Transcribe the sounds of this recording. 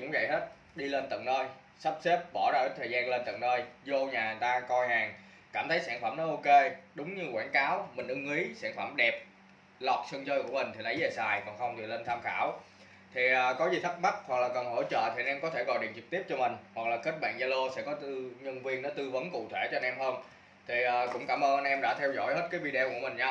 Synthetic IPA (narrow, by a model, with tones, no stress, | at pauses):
ʊ̰˧˥ŋ͡mvə̰˧˨jɦe˦˥t̚ | ɗi˧le˧nt̪ə̰˧˨ŋnəː˧j | sa˦˥p̚se˦˥p̚ɓɔ˧˩ɗɔː˧˩ə˨˦jt̪ʰə˨˩jzaː˧nle˧nt̪ə̰˧˨ŋnəː˧jzo˧ɲaː˨˩˨nt̪aː˧kɔ˧jhaː˨˩ŋ | kaː˧˩mt̪ʰə˨˦jsaː˧˩nfaː˧˩mnɔ˨˦ʔo˧ke˧ɗʊ˨˦wŋ͡mɲɨ˧kwaː˧˩nkaː˨˦wmï˨˩ŋ̟ʔɨ˧ŋi˨˦saː˧˩nfa˧˩mɗɛ˨˩p̚ | lɔ˨˩t̚sə˧ŋt͡ɕəː˧jku˧˩əmï˨˩ŋt̪ʰi˨˩nə˨˦jze˨˩saː˨˩jkɔ˨˩ŋxə˧wŋ͡mt̪ʰi˨˩le˧nt̪ʰaː˧mxaː˧˩w | t̪ʰi˨˩ʔaː˨˩kɔ˨˦zi˨˩t̪ʰt̚ma˦˥t̚hwa˨˩k̚laː˨˩kə˨˩nɦo̰˧˥˩t͡ɕə̰ː˧˨t̪ʰi˨˩ʔa˧˩nʔɛ˧mkɔ˨˦t̪ʰe˧˩kɔ˨˩ɗḭ˧˨nt͡ɕɨ˨˩k̚t̪i˦˥p̚t͡ɕɔ˧mï˨˩ŋ̟hwa˨˩k̚laː˨˩xi̟˦˥ɓa̰ː˧˨nza˧lo˧sɛ̰˧˥kɔ˨˦t̪ɨ˧ɲə˧nvi˧ənːɔ˨˦t̪ɨ˧və˨˦nkṵ˧˨t̪ʰwe˧˩t͡ɕɔ˧nʔɛ˧mhəː˧n | t̪ʰi˨˩ʔəː˨˩kʊ̰˧˥ŋ͡mkaː˧˩mʔəː˧nʔa˧nʔɛ˧mɗa̰ː˧˥t̪ʰɛ˧wzɔ̰˧˥jhe˦˥t̚kaː˨˦jvi˧ɗe˧wku˧˩əmï˨˩ŋ̟ɲa˧